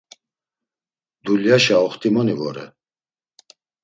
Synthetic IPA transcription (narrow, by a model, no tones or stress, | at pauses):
d̪uljaʃaɔχt̪ʰʼimɔnivɔɾɛ̰